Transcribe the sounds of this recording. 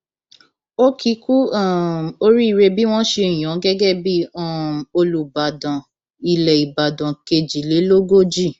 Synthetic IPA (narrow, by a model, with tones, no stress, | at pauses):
o˦kʰi˨˦ku˦a˦˨o˧˦ɾi˦i˦˨ɾe˧bi˦w̃ɔ̃˦ʃe˧˨j̃ɔ̃˨˦ɡɛ˦ɡɛ˦˨bi˦ɔ˦˨o˧lu˨ba˨dã˨ | i˨lɛ˨i˨ba˨dã˨ke˧d͡ʒi˨le˨˦lo˦ɡo˦˨d͡ʒi˦˨